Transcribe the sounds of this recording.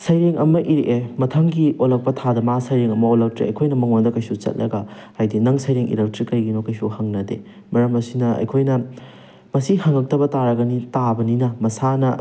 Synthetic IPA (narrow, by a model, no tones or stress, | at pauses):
sɐjɾeŋɐ̰mɐʔiɾeʔemɐtʰɐŋɡiolɐk̚pɐtʰadɐmasɐjɾeŋɐmɐolɐk̚tɾeɐ̰jkʰojnɐmɐŋondɐkɐjsut͡ʃɐ̰t̚lɐɡɐhajdinɐŋsɐjɾeŋḭlek̚tɾikɐɾiɡinokɐjsuhɐŋnɐdḛ | mɐɾɐmɐsinɐɐ̰jkʰojnɐ | mɐsihɐŋɐk̚tɐbɐtaɾɐɡɐnitabɐninɐmɐsanɐ